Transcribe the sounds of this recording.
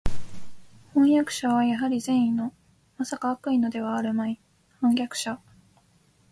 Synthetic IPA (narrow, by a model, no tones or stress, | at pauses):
hõ̞ɰ̃jakɯ̟̥ɕaβajaɦaɾʲizẽ̞ɰ̃ĩnːo̞ | masakaβakɯ̟ino̞d̪e̞β̞aːɾɯ̟mai | hõ̞ŋɡʲakɯ̟̥ɕa